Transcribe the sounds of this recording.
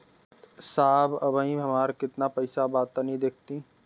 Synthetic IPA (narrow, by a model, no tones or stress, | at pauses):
saːbɐbaĩɐmaːɾkɪt̪napɐɪsabaːt̪ːanɦĩd̪eːk̚ʰt̪ĩ